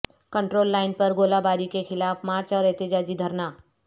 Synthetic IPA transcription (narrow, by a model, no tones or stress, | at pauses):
kə̃ɳʈɾoːlːaːɪnpɐɾɡoːlabaːɾikexɪlaːfmaːɾt͡ʃɔːɾɛɦt̪ɪd͡ʒaːd͡ʒid̪ʱɐɾnaː